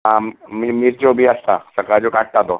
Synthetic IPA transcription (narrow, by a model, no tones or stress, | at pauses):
ɦãmiːmiːɾd͡ʑobʱiːəst̪a̰səkad͡ʑokaʈ̚t̪at̪o